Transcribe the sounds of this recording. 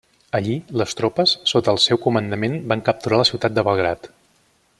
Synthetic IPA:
əʎiləst̪ɾopəsːot̪əːlˠsɛwkumənd̪əmenbaŋkəp̚t̪uɾaləsiwt̪at̪d̪əβəlˠɣɾat̪

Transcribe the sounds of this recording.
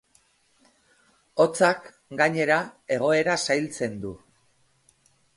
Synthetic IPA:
o̞t͡sak | ɡaɲe̞ɾae̞ɣ̞o̞e̞ɾasajlt͡se̞nd̪u

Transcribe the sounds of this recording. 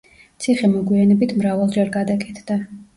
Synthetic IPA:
t̪sʰiχɛmɔɡwianɛbit̪ʰmɾavalˠd͡ʒɛɾɡad̪akʼɛt̪ʰd̪a

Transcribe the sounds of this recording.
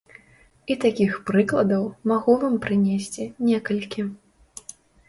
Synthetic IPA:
it̪akʲixpɾɨklˠɐd̪ɐwmaɣuvampɾɨnʲesʲt͡sʲinʲɛkɐlʲkʲi

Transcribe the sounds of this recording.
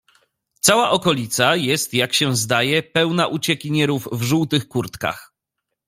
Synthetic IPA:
t̪sawaʔɔkɔlʲit̪sajɛst̪jakɕɛ̃zd̪ajɛpɛwnaʔut͡ɕɛkʲiɲɛɾuvvʐuwt̪ɘxkuɾt̪ka̰x

